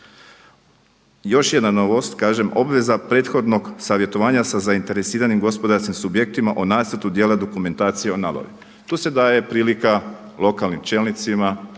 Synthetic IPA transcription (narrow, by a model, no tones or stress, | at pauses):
jo̞ʃje̞d̪nano̞ʋost̪kaːʒe̞mo̞bʋe̞zapɾe̞ːt̪xo̞d̪no̞ɡsaʋje̞t̪o̞ʋaːɲasazaint̪e̞ɾe̞siːɾanimɡo̞spod̪aɾskimsubje̞k̚t̪imaʔonaːt̪st̪at̪ud̪jeːlad̪o̞kume̞nt̪aːt̪sijeonalˠo̰ʋḭ | t̪uːse̞d̪aːje̞pɾiːlika | lˠo̞kalˠnimt͡ʃe̞ːlnit̪sima